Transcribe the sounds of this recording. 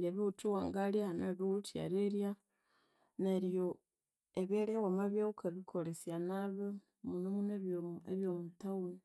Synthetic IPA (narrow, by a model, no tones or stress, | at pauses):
eβeut͡ʃuwaːŋɡalianeβeutja̰ɾeɾja | neɾjo | eβeɾewamaβjaukeβikʰoɾesjanaβe | munomuneβeβjomutau